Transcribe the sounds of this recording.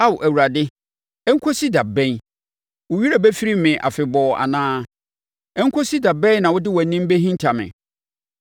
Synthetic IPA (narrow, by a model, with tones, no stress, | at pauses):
a˦wʔæ˨wu˨ɾa˨dɪ˦ | ɛ˦ŋ̩˦kʰo˦si˦da˨bɛ̃˦n | wʊ˨ɥi˦ɾa˨bɛ˦fi˦ɾi˦mɪ̃˨ʔa̰˨fɪ˨bɔː˨a̰˨nãː˦ | ɛ˦ŋ̩˦kʰo˦si˦da˨bɛ̃˦n˦nã˨wʊ˦dɪ˦wɔ˨nːĩ˦m˦be˦ɦĩ˦n˦tʰa˨mɪ̰̃˨